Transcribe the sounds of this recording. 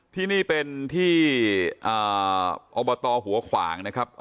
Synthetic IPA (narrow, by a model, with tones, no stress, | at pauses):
t̪ʰiː˥˩niː˥˩pe˧nt̪ʰiː˥˩ʔəː˨˩ʔɔː˧bɔ˧t̪ɔː˧ɦu˨˩˦ɐkʰwa̰ː˩˦ŋna˦˥kʰa˦˥p̚